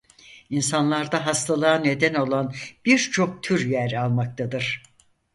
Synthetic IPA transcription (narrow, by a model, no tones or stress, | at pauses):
insanlˠaɾd̪aɦast̪ʰalˠaane̞d̪æno̞lˠanb̥iɾt͡ʃʰo̞k̚t̪ʰyɾjæɾalˠmak̚t̪ʰad̪ɯɾ̥